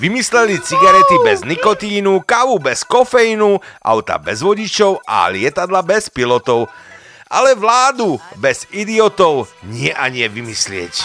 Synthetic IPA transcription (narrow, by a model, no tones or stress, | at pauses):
ʋimislɛlit͡siɡaɾɛt̪ibɛznikɔt̪iːnukaʋubɛskɔfɛjinuʔa̰ʊt̪a̰bɛzʋɔɟit͡ʃɔʊʔa̰lɪɛt̪ad̪labɛspilɔt̪ɔʊ | ʔa̰lɛʋlaːd̪ubɛz̥id̪iɔt̪ɔʊɲɪɛʔaɲɪɛʋimislɪɛ̰c